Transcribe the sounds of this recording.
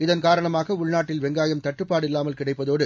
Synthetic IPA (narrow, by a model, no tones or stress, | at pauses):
ɪðɐnkaːɾɐɳɐmaːɣɐʊɭnaːʈːɪlʋɛŋɡaːjɐmt̪ɐʈːɯpːaːɽɪlːaːmɐlkɪɽɐɪpːɐðoːɽɯ